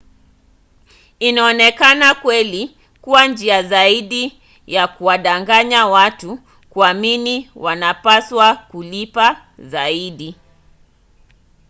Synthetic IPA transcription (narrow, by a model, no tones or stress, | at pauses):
inaɔnɛkanakwɛli | kuwand͡ʒiazaiɗi | jakuwaɗaŋɡaɲawatu | kuaminiwanapaswakulipa | zaiɗi